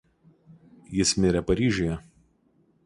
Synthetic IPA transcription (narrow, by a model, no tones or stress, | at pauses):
jɪsmʲɪɾʲɛpɐɾʲiːʒʲojɛ